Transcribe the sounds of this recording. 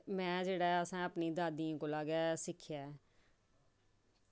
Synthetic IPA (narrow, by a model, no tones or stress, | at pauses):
mɛ̃ːd͡ʒeːɽaːɛəsãːəpniːd̪aːd̪iːãːkolaːɡaːsɪkʰjaːɛː